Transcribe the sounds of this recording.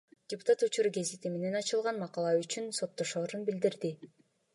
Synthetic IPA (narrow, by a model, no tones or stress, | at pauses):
d̥ʲɪpu̥t̪at̪ut͡ʃuɾɡe̞zit̪imene̞nɑt͡ʃɯlˠʁɑnmɑqɑlˠɑyt͡ʃynso̞t̪ːo̞ʃo̞ːɾunbild̪iɾd̪i